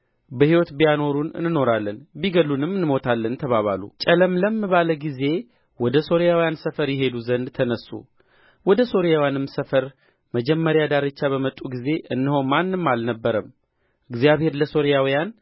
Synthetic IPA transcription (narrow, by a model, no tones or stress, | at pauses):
bəhiwɔt̪bijano̞ɾunɨ̰nːɨno̞ɾalːənbiɡəlunɨmːɨnːmo̞t̪ʰalːənt̪ʰəβaβa̰lṵt͡ʃʼələmləmːɨβaləɡize̞ | wɔd̪əso̞ɾijawijansəfəɾjɛɦe̞d̪uzənd̪t̪ʰənəsṵ | wɔd̪əso̞ɾijawjanɨmsəfəɾ | məd͡ʒɛmːəɾjad̪aɾɨt͡ʃːaβəmət̪ʼːuɡize̞ʔɨnːɨhomanːɨmːalnəbːəɾəm | ɨɡzijaβhe̞ɾləso̞ɾijawijan